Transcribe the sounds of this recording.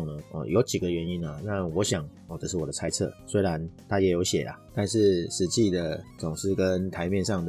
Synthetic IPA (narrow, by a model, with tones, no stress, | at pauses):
ŋnə˨˩ɔ̰˨˩jo˧˦ʊt͡ɕi˨˩ɡə˩˨ɥɛ˧˦ni˦na˨na˥˩wɔ˨˧˦ɕjɑ˨˩˦ŋ | ɔ˧˩ʈ͡ʂə˧˦ʂɻ̩˥˩wɔ˨˩d̪ə˦t͡sʰa˥ɪt͡sʰɤ̰˥˩˨swe˥ɪɻa˧˦nt̪ʰa˥jɛ˨˥jo˧˦ʊɕjɛ̰˨˩la̰˨t̪a˥˧nʂɻ̩˥˩ʂɻ̩˧˥t͡ɕi˥˩d̪ə˩t͡sʊ˨˩ŋʂɻ̩˥˩kə˦nt̪ʰa˧˥ɪmjɛ˥˧nʂɑ˥˩ŋd̪ə˩